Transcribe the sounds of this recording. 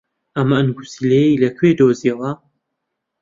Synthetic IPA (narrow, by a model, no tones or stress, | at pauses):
ʔɐmɐʔɨnɡusilejejlɐkʰwed̪oːziɐwɐ